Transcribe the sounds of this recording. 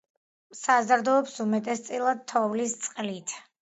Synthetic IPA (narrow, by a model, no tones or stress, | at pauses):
sazɾd̪ɔːpsumɛt̪ʼɛst̪sʼilˠad̪̚t̪ʰɔvlist̪sʼqʼlit̪ʰ